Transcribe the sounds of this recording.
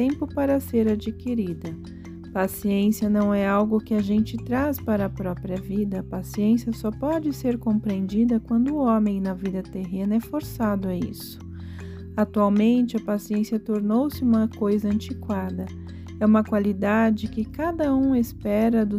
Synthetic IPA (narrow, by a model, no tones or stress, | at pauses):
t̪ẽmpʊpaɾɐseɾad͡ʒikiɾid̪ɐ | pasiẽsjɐnɐ̃w̃ɛawɡʊkɪaʒẽnt͡ʃɪt̪ɾaspaɾɐːpɾɔpɾiɐvid̪ɐːpasiẽsjɐsɔpɔd͡ʒɪseɾkõpɾẽnd͡ʒid̪ɐkwɐ̃nd̪ʊõmẽj̃nɐvid̪ɐt̪eɦẽnɐɛfoɾsad̪ʊaḭsʊ̥ | at̪uawmẽnt͡ʃɪɐpasiẽsiɐt̪oɾnowsɪũmɐkojzɐɐ̃nt͡ʃikwad̪ɐ | ɛũmɐkwalid̪ad͡ʒɪkɪkad̪ɐũespɛɾɐd̪ʊ